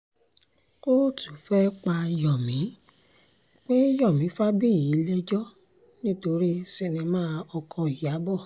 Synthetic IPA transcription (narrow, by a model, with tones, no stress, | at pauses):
ko˦ɾo˦˨tu˨fɛ˦k͡pa˧jɔ˨mĩ˨˦ | k͡pe˦jɔ˦˨mĩ˨˦fa˦bi˦˨ji˨˦lɛ˦d͡ʒɔ˦ | nĩ˦to˧ɾi˦si˧˨nĩ˧mãː˦ɔ˧kʰɔ̃˧i˨ja˨˦bɔ˦˨